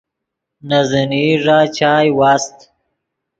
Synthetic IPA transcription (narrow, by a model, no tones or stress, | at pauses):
nazəniʐaːt͡ʃaːjwaːst̪